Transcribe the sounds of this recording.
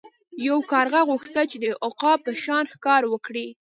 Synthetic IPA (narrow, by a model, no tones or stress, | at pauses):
jawkɑɾɣaɣuxt̪at͡ʃed̪əʔʊqɑpəʃɑnxkɑɾwəkɽi